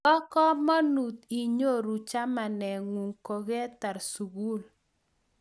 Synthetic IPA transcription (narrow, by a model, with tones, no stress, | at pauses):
kɔ˦kɔ˦mɔ˦nu˨t̪i˨ɲo˦˨ɾu˨t͡ʃa˦ma˨nɛ˨ŋwu˨ŋko˨ɡe˦ta˨ɾsu˨ɡu˦˨l